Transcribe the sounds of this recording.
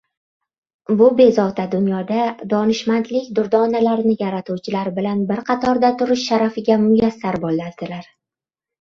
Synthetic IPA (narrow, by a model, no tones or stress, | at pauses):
bʊbe̞zɒwt̪ʰad̪ʊnjɒd̪ad̪ɒnɪʃmant̪lɪkʲd̪ʊɾd̪ɒnalaɾnɪjaɾat̪ʰuwt͡ʃʰɪlaɾbɪlanbɪɾqʰɑt̪ʰɒɾd̪at̪ʰʊɾɪʃːaɾafɪɡʲamʊjasːaɾbolːaɾd̪̥ɪlaɾ